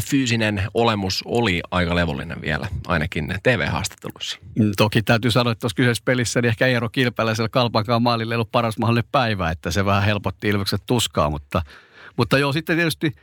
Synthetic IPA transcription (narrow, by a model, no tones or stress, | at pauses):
fyːsinenolemusoliɑikɑleʋo̰lːḭnḛʋʋḭælæɑ̰inɑkint̪eːʋḛːhɑ̰ːst̪e̥t̪ːeluisːi̥t̪okit̪æyt̪ysɑnoɑet̪ːæoskysespelisːæniehkæerokilpælːæselkɑlpɑŋkɑːmɑːlilːeiolːuppɑrɑsmɑhlineppæiʋæːet̪ːæseʋæhæhelpot̪ːiilʋekset̪t̪uskɑ̰ːmut̪ːɑmut̪ːɑjosit̪ːet̪iet̪yst̪i